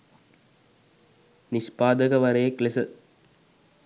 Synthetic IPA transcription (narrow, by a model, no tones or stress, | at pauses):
nispaːd̪ɐɡɐʋɐɾejeklesə